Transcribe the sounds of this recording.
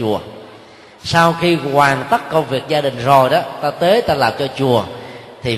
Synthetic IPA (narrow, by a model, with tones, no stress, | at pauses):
u˨˩ə | saː˧wxi˧kwaː˨˩ŋt̪ə˦˥t̚kə˧wŋ͡mvi˨˩ək̚zaː˧ɗï˨˩ŋ̟zo˨˩jɗɔ˨˦t̪aː˧t̪ə˨˦jt̪aː˧laː˨˩mt͡ɕɔ˧t͡ɕu˨˩ət̪ʰi˨˩